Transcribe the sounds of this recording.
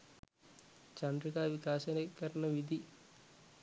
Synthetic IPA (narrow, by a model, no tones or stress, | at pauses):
t͡ʃɐndɾikaːʋikaːʃɐnɐkːɐɾɐɳɐʋid̪ʱi